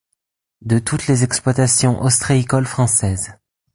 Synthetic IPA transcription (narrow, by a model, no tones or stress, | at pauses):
d̪ət̪ut̪lezɛksplwat̪asjɔ̃ʔɔst̪χaikɔlfχɑ̃sɛːz